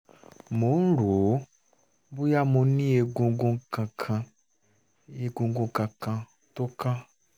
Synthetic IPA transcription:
mo˨˦n̩˦ɾo˨˦ | bu˦ja˦mo˧nĩ˦e˨ɡõ˨ɡõ˧kã˨kʰã˧ | e˨ɡõ˨ɡõ˧kã˨kã˧ | to˦ka˦

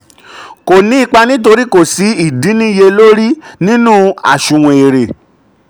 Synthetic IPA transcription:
ko˨nĩ˨˦i˦˧k͡pa˧nĩ˦to˧ɾi˦ko˦˨si˨˦i˦˨di˨˦nĩ˦je˧lo˦ɾi˦nĩ˦nũ˦a̰˨ʃũ˨w̃ẽ˨e˨ɾe˨

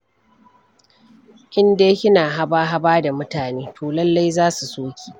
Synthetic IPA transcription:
ʔɪ˦ndeː˦kʲɪ˦naː˨ɦa˦baː˦ɦa˦baː˦da˨mʊ˦taː˨neː˦tʰoː˨lɐ˦lːa˦jzaː˦su˨soː˦kʲʰi̥ː˨

